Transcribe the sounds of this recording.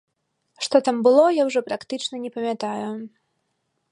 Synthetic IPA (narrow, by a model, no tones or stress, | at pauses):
ʂt̪ɔt̪ambɨlˠɔjawʐɔpɾakt̪ɨt͡ʂnɐnʲɛpɐmʲat̪aju